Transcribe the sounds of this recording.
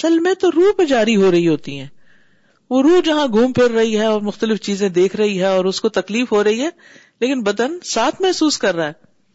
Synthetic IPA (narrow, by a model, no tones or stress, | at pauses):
ɐsəlmẽt̪oɾuːɦped͡ʒaːɾiɦoɾɐɦiɦoːt̪ḭɦɛ̃ː | ʋoɾuːɦd͡ʒɐɦãɡʱuːmpʰɪɾːɐɦiɦɛɔːɾmʊxt̪əlɪft͡ʃiːzẽd̪eːkʰɾɐɦiɦɛ̃ɔːɾʊskot̪ɐkliːfɦoɾɐɦiɦɛ̃ː | leːkɪnbɐd̪ənsaːt̪ʰmɛɦsuːskɐɾːaɦɛː